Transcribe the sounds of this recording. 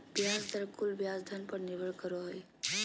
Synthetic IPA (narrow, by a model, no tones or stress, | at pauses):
bjaːsd̪əɾkulbjaːzd̪ʱənpəɾniʋəɭkəɾoɦe